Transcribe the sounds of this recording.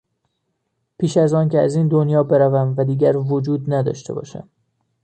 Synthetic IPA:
pʰiːʃæzɒːncʰeæziːnd̪onjɒːbe̞ɾævæmvæd̪iːɟæɾvod͡ʒuːd̪næd̪ɒ̰ːʃt̪e̞̰bɒ̰ːʃæ̰m

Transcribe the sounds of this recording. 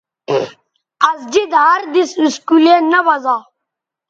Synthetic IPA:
ɐzd͡ʒid̪ɦaːɾd̪isiskuleːnɐʋɐzaː

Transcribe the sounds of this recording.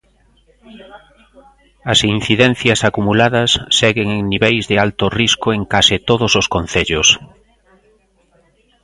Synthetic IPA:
ɐsin̟θiðɛn̟θjɐsakumulaðɐsːɛɣeŋeŋniβɛjzðɪalt̪ʊriskʊeŋkasit̪oð̞ʊsoskon̟θeʎʊs

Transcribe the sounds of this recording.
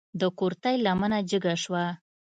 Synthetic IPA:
d̪əkoɾt̪ajlamənad͡ʒəɡaʃwa

